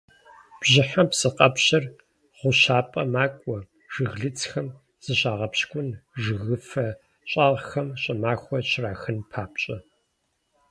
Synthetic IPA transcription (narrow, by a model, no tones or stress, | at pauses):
b̥ʑɪħaɐpsɨqʼɐpɕɐr | ʁʷʊɕaːpʼɐmaːkʷʼɔ | ʒ̥ɨɣɮɨt͡sʰxɐm | z̥ɨɕaːʁɐpɕkʷʼʊnʐɨɣɨfɐ | ɕʼaːʁxɐmɕʼɐmaːxʷɔɕraːxɨnpʰaːpɕʼɐ